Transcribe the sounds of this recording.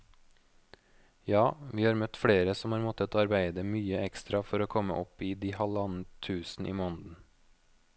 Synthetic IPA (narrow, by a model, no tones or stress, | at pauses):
jɑːʋiːhɑːɾmœt̪fɽeːɾəsɔmhɑːɾmɔt̪ət̪ʰoːɑɾbæɪd̪əmyːəɛkst̪ɾɑfɔɾoːkʰɔmə̰ʔɔpiːd̪iːhɑlɑnət̪ʰʉːsn̩ʔḭːmoːnd̪n̩